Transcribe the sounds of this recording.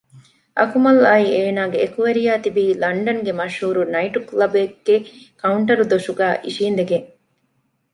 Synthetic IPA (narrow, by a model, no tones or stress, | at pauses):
ʔɐkumɐlɐieːnaːɡeːkuʋeɾijaːt̪ibiːlɐɳɖɐŋɡemɐʃhuːɾunɐiʈuklɐbeɡːekɐuɳʈɐɾud̪oʃuɡæːʔiʃiːnd̪eɡeŋ